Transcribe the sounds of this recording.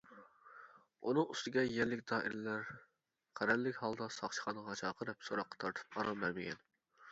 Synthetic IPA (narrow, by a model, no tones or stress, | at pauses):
unɨŋust̪ɪɡʲɛjɛlːɪkʲd̪̥ɑːʔɪ̰ɾɪlæɾ | qʰæɾɛllːɪkʲhɑlˠd̪ɑsɑχt͡ʃʃʰə̥χɑnəʁɑt͡ʃʰɑːqʰəɾɨp̚soɾɑqːɑ̥t̪ʰɑɾt̪ʰɨ̥p̚ɑɾɑmbæɾmɪɡʲɛ̰n